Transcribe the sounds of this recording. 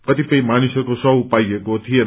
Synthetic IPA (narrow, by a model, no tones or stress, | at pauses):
kʌt̪ipʌĩmanisʌrkosʌɦupajekot̪ʰije